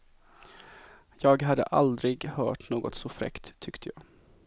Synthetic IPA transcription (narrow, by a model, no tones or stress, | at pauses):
jɑːɡɦad̪ːə̰ʔald̪ɾɪɡhœːʈnoːɡɔt̪sɔfɾɛ̰kt̪ʰːʏkt̪ʰəjɑː